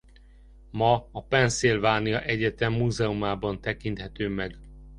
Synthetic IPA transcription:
mɒːpɛnsilvaːnijɒʔɛɟɛt̪ɛmːuːzɛumaːbɒnt̪ɛkint̪hɛt̪øːmɛɡ

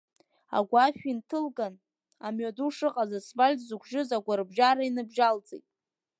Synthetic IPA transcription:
a̰ɡʷaʃᶣintʰɨlɡan | amɥaduʂɨqʼazasvalʲtʼzukʷʰʒɪzaɡʷaɾbʒaɾainɨbʒald͡zʼejtʼ

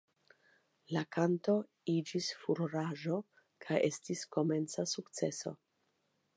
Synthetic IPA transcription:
lakanto̞ | id͡ʒisfuɾɾaʒo | kʰajʔe̞stisko̞me̞nt͡sasukt͡se̞so̞̰

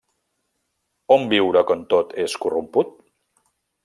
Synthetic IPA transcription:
ombiwɾəkənt̪ot̪eskurumput̪̚

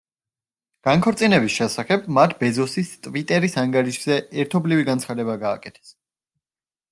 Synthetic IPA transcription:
ɡ̥aŋkʰɔɾt̪sʼinɛbisʃɛsaχɛbmat̪ʰbɛzɔsist̪ʼvit̪ʼɛɾisaŋɡaɾiʃz̥ɛɛɾt̪ʰɔbliviɡant̪sʰχad̪ɛbaɡa̰ːkʼɛt̪ʰɛ̥s

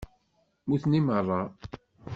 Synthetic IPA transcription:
muθnimərˤːɑ

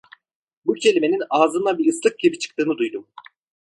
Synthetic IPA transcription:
bucʰe̞lʲime̞nʲinaːzɯnabiɯslˠɯk̚ɟibit͡ʃʰɯ̥k̚t̪ɯːnɯd̪ujd̪um

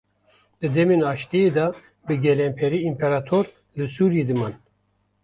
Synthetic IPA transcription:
d̪ɨd̪ɛmenɑːʃt̪ejed̪ɑ | bɨɡʲɛlɛmpʰɛɾiːmpʰɛɾɑt̪ʰoɾ | lɨsuːɾijed̪ɨmɑn

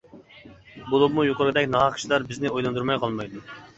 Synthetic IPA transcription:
bolˠubmujoqʊɾɡɨd̪ɛkʲnɑʁɑqʰi̥ʃlˠɑɾbɪznɪojlˠɑnd̪uɾmɑjqʰɑlˠmɑjd̪u

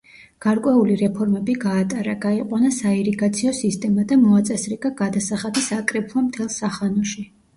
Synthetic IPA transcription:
ɡ̥aɾkʼwɛuliɾɛpʰɔɾmɛbiɡaːt̪ʼaɾaɡaiqʼwanasaiɾiɡat̪sʰiɔsist̪ʼɛmad̪amɔat̪sʼɛsɾiɡaɡad̪asaχad̪isakʼɾɛpʰlˠɔmt̪ʰɛlˠsaχanɔʃi

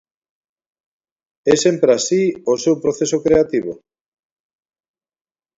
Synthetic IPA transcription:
ɛsempɾeasiosewpɾoθesokɾeat̪iβo

